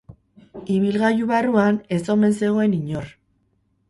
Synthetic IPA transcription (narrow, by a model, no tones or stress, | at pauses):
iβ̞ilɣajuβaruane̞so̞me̞nse̞ɣ̞o̞e̞niɲo̞r